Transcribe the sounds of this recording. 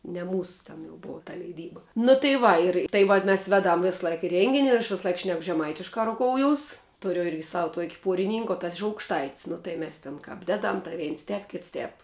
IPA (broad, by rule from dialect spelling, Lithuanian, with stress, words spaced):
nʲɛ ˈmuːsʊ tʲɛn jɛʊ ˈboːʋɐ tɐ lʲɛɪˈdʲiːbɐ nʊ tɐɪ ˈʋɐ ɪr tɐɪ ˈʋɐt mʲɛs ˈʋʲeːˌdɐm ˈʋʲeːsˌlˠɐɪk ˈrʲɛŋʲɡʲɪnʲ ɪr ɐʃ ˈʋʲɪsɐˌlˠɐɪk ˈʃʲnʲɛk ʒʲɛˈmɐɪtʲɪʃkɐ rʊˈkoːʊˌjʊs ˈtʊrʲʊ ˈɪrʲɡʲɪ sɐw tuɔkʲ ˈpuɔrʲɪˌnʲɪŋk oː tɐs ɪʃ ɐʊkʃˈtɐɪtʲsʲ ˈnʊ tɐɪ ˈmʲɛs tʲeːn ˈkɐp ˈdʲæːˌdɐm tɐɪ ˈʋʲɛɪns ˈtʲɛːp ˈkʲɪts ˈtʲɛːp